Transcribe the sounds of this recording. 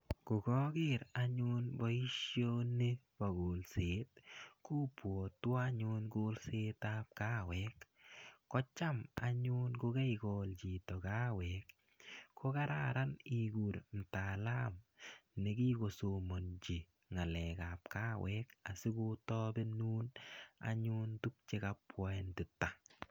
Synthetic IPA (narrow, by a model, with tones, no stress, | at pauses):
kʊ˨ɡɔ˦ɡɪɾa˦ɲʊ˦nbɔ˦i˦ʃjo˦ne˦ | ba˨ɡo˨lseː˨t̚ku˦pwo˨twa˦ɲʊ˦nɡo˦lse˦tap̚ka˦wɛkː | ɔ˦t͡ʃa˦ma̰˨ɲʊ˦nkʊ˦ɡɛ˦jɡɔ˨ld͡ʒi˨tɔ˨ɡa˦wɛk | kʰo˦ka˦ɾaɾa˦niɡu˨ɾn̩˨ta˨la˦mne˨ɡi˦ko˨so˨mo˨nd͡ʒi˨ | ŋa˨lɛ˨ka˨p̚kaː˦wɛka˨sɪ˦ɡu˦tɔ˦benuː˦na̰ɲuntu˦k̚t͡ʃe˦ka˦pwa˦ɛ˦ntɪ˨tːa